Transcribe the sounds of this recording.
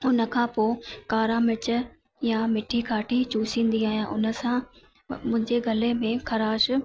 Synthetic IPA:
ʊnə̆kʰãːpoːkaːɾãmɪt͡ɕə̆ | jamɪʈʰikʰaːʈʰit͡ɕuːsĩːn̆d̪iaːɦijãʔʊnə̆sã | mʊ̃ɦɪ̃ɲd͡ʑeɡʱɐlemẽkʰɐɾaːʃ

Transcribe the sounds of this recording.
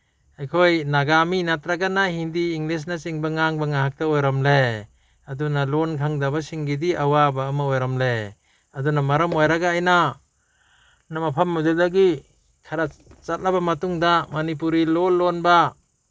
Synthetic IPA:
ajkʰojnaɡaminat̪ɾaɡanahindiːŋlis̬nasiŋbaŋaŋbaŋaɦak̚taɔjɾamle | adunalɔnkʰaŋdabasiŋɡidiawabamaojɾamle | adunamaɾɔmojɾaɡaːjna | namapʰamːudadaɡi | kʰaɾat͡ʃat̚labamatuŋdamanip̬uɾilɔlɔnba

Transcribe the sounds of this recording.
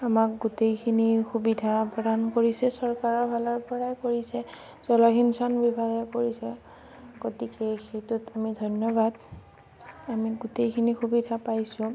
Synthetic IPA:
amak̚ɡutejkʰinixubidʱapɹɔdankoɹisɛsɔɹkaɹɔɹbʱalɔɹpɔɹajkoɹisɛ | zɔlɔɡinsɔnbibʱaɡɛkoɹisɛ | ɡotikɛxejtutamidʱɔjnjɔbad | amiɡutejkʰinixubidʱapajsʊ̃

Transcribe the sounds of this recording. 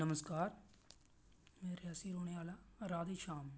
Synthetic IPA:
nəməskaːɾ | meːɾeasiːɾoːɽeaːlaːɾaːd̪eːʃaːmː

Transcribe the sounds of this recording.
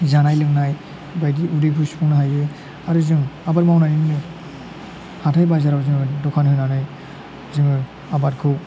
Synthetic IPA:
zanajlɯŋnaj | bajdiʔudɯpʰuspʰunaɦajɯ | aɾɯzɯŋabaɾmawnajninnɯ | hatʰajbazaɾawzɯŋɯdɔkʰanhɯjnanɯj | zɯŋɯ | abat̚kʰɯw

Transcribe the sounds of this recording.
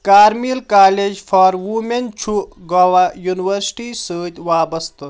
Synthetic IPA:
kaːɾmilkaːleːd͡ʒfaːɾʋument͡ʃʰuɡɐʋajuːniʋəɾsʈiːsəːt̪ʲʋaːbɐst̪ɨt̪

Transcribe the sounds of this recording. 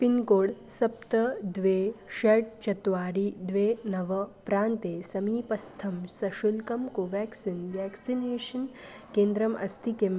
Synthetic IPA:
pinkoːɽ | sɐp̚t̪ɐd̪ʋeːʃɐʈ̚t͡ʃɐt̪ʋaːɾid̪ʋenɐʋɐpɾaːnt̪esɐmiːpɐst̪ʰɐmsɐʃulkɐmkoʋɛːksinʋɛːksineːʃɐn | kẽːnd̪ɾɐmʔɐ̰st̪ʰikem

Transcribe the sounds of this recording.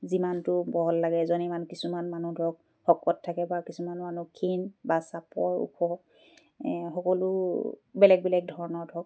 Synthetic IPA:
zimantʊbɔɦɔllaɡɛzɔnimanukisumanmanudʱɔk̚ | hɔkɔtʰːakɛbakisumanmanukʰinbasapɔɹṵpʰɔ | xɔkɔlʊbɛlɛk̚bɛlɛk̚dʱɔɹɔnɔɹdʱɔk̚

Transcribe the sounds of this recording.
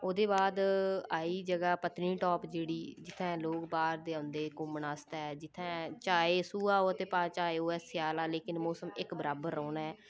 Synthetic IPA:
oːd̪eːbaːd̪aːiːd͡ʒəɡaːpət̪nĩːʈɔːpd͡ʒeːɽiːd͡ʒɪt̪ʰːɛ̃ːloːkbaːɾd̪eːə̃ʊnd̪eːkʊmənaːst̪aɛːd͡ʒɪt̪ʰːɛ̃ːt͡ʃaːeːsuːaːoːət̪eːpaːt͡ʃaːeːoːɛːsjaːlaːleːkɪnmoːsəmɪkbəɾaːbəɾːɔ̃ːnaːɛː

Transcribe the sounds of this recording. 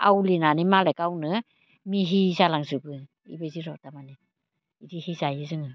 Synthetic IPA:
ʔa̰wlinanimalɛkawnɯ | miɦizalaŋsɯbɯ | ḭbajziɾɔtamani | idihizajɯsɯŋɯ

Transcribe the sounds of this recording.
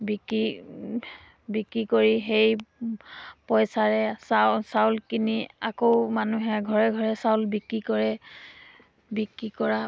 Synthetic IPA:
biki | bikɹikoɹiɦej | pɔjsaɹɛsasawlkiniakoʊmanuɦɛɡʱɔɹɛɡʱɔɹɛsawlbikɹikɔɹɛ | bikɹikɔɹa

